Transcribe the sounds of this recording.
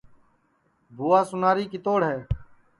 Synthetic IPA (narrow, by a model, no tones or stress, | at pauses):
bʱuːaːsʊnaːɾiːkɪt̪oːɽɦɛː